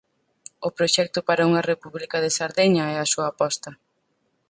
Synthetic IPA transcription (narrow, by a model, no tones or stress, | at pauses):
ʊpɾoʃɛk̚t̪ʊpaɾɐuŋɐrepuβlikɐðɪsaɾðeɲɐɛɐsuɐːpɔst̪ɐ